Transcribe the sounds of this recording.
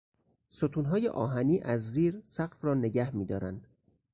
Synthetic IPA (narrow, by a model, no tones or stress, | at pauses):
sot̪ʰuːnɦɒːjḛʔɒːɦæniːʔæzːiːɾsæɡfrɒːneɟæhmiːd̪ɒːɾænd̪̥